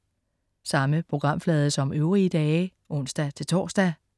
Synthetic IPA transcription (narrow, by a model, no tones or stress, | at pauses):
sɑ̈məpʰʁo̝ɡ̥ʁɑ̈m̰flɛːð̞ˠəsɒ̽møʊʁiəd̥ɛː | ʔɔ̽n̰sd̥æt͡sʰe̝lt͡sʰɒ̰ːsd̥æ